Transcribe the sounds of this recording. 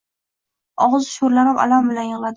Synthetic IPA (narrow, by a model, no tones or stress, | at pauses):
ɒʁɨzʃoɾlanɪpa̰lambɪlanjɪʁlˠad̪ɪ